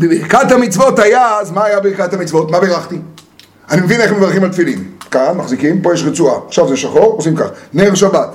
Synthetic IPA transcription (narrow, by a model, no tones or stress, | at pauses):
bebikathamit͡svo̞tajazmaːjabeʁikat̪hamit͡svo̞t̪mabeʁaχt̪i | animevineχemevaʁχimalt̪filimkanmaχzikimpo̞jeʃʁet͡suaaχʃavzeʃaχoʁosimkaχneʁʃabat̪